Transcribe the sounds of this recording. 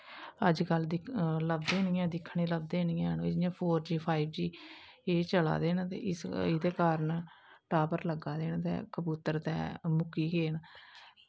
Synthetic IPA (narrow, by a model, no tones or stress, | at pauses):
əd͡ʒkəld̪ɪləbd̪eːnɪjɛ̃ːd̪ɪkʰːɳeːləbd̪eːnɪjɛ̃ːnõːɪd͡ʒjãːpʰoːɾd͡ʒiːpʰaːibd͡ʒiː | eːt͡ʃəla̰ːd̪eːnt̪ḛːɪsɪd̪eːkaːɾən | ʈaːbəɾləɡaːd̪eːnt̪ɛ̰ːkəbuːt̪əɾt̪ɛ̰ːmʊkiːɡeːn